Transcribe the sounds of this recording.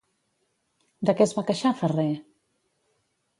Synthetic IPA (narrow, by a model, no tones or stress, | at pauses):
d̪əkɛzβakəʃafərɛ